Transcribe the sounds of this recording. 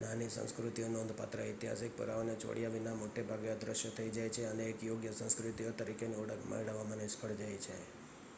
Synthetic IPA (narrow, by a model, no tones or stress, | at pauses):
nanisə̰̃nskɾut̪ionɔnd̪ʱpa̰t̪ɾəit̪iɦa̰sik̚pə̰ɾa̰ʋonet͡ʃo̰ɽijaʋinamoʈebʱaɡead̪ɾəʃjot̪ʰəid͡ʒajt͡ʃʰeəneːkjoɡjəsə̃nskɾut̪iot̪əɾikeneoɽəkmə̰ɽəʋamãnespʰəɽd͡ʒajt͡ʃʰe